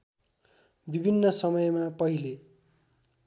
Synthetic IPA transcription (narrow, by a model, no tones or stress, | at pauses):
bibʱinːʌsʌmʌjmapʌɦile